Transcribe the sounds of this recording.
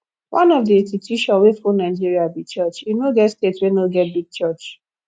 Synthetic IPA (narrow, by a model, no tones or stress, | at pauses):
wʔãnɔvdiestitʰuʃɔ̃nwefonaɪd͡ʒiɹiabit͡ʃɜt͡ʃinoɡɛtstetswɛ̃noɡɛt̚biɡ̚t͡ʃɜt͡ʃ